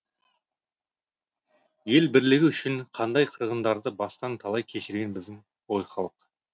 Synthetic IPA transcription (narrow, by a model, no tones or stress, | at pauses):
je̞lbɪɾlɪɡʲɪʏʃɪɴqʰɑnd̪ɑjqʰəɾʁənd̪ɑɾd̪əbɑst̪ɑnt̪ʰɑlˠɑjkʲʰe̞ʃɪɾɡʲenbɪzd̪ɪŋ | wojχɑlˠəq